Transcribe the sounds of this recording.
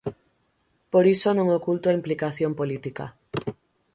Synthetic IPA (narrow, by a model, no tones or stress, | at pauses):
poɾisonõŋokult̪oaimplikaθjompolit̪ika̰